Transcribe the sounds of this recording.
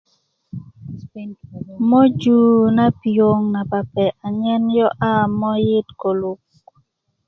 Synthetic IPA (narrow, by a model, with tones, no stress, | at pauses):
mɔ˦d͡ʒu˨na˦pi˨o˦ŋna˨pa˨pɛ˨ʔa˨ɲɛ˦njɔ˦ʔa˦mɔ˦jɪ˦tko˨lu˨k̚